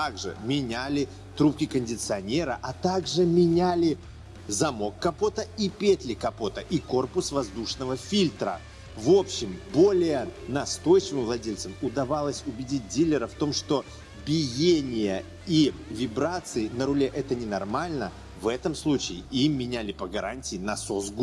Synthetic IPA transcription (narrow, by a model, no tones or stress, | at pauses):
t̪aɡʐɨ̰mʲɪnʲælʲɪ | t̪ɾup̚kʲɪkənʲdʲɪt̪sɨɐnʲeɾəʔɐt̪aɡʐɨmʲɪnʲælʲɪ | zɐmo̞kːɐpo̞t̪əipʲet̪ʲlʲɪkɐpo̞t̪əʔiko̞rpʊsvɐzd̪uʂnəvəfʲilʲt̪ɾə̰ | vo̞pɕːɪmbo̞lʲɪjənɐst̪o̞jt͡ɕɪvɨmvlˠɐdʲelʲt̪səmʊd̪ɐvalˠəsʲʊbʲɪdʲit̚ʲdʲilʲːɪɾəft̪o̞mʂt̪o̞ | bʲɪjenʲɪjə | ivʲɪbɾat̪sɨɪnəɾʊlʲeʔɛt̪ənʲɪnɐrmalʲnə | vɛt̪əmslˠut͡ɕɪɪimːʲɪnʲælʲɪpəɡɐɾanʲtʲɪːnɐso̞zɡ